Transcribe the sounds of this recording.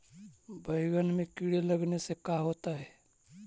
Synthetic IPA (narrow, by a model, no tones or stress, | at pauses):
bʱəɪɡənmẽkiɽeləɡnesekaɦoːt̪aɦɛː